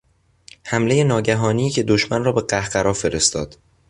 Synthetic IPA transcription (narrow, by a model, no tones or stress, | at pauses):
hæmle̞je̞nɒːɟæɦɒːnijːcʰe̞d̪oʃmænrɒːbe̞ɢæhɢ̥æɾɒːfe̞ɾest̪ɒ̰ːd̪̥